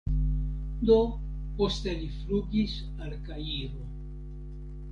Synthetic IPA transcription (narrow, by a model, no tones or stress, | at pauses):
d̪o̞ | po̞st̪e̞lifluɡis | alkaiɾo